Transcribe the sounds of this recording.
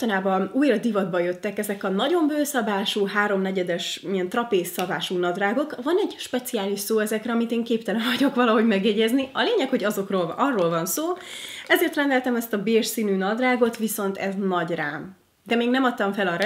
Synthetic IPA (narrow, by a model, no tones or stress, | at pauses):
t̪ɒnaːbɒuːjrɒd̪ivɒd̪̚bɒjøt̪ːɛkɛzɛkɒnɒɟo̞mbøːsɒbaːʃuːɦaːɾo̞mnɛɟɛd̪ɛʃiɛnt̪rɒpeːsːɒbaːʃuːnɒd̪raːɡo̞kvɒnɛɟʃpɛt̪siaːliʃsoːɛzɛkrɛɒmit̪eːŋkeːp̚t̪ɛlɛɱvɒɟo̞kʋɒlɒɦo̞ɟmɛɡjɛɟɛzniɒleːɲɛkho̞ɟɒzo̞kroːlɒrːoːlvɒnsoːɛzeːrt̪rɛnd̪ɛlt̪ɛmɛst̪ɒbeːrʃsiːnyːnɒd̪raːɡo̞t̪ʋiso̞nt̪ɛznɒɟra̰ːm | d̪ɛmeːɡnɛmɒt̪ːɒɱfɛlɒɾ